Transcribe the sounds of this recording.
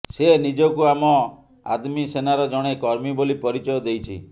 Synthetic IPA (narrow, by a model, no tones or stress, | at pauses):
senid͡ʒɔkuamɔ | a̰d̪misenaɾɔd͡ʒɔɽ̃ekɔɾmibolipɔɾit͡ʃɔjɔd̪ejt͡ʃʰḭ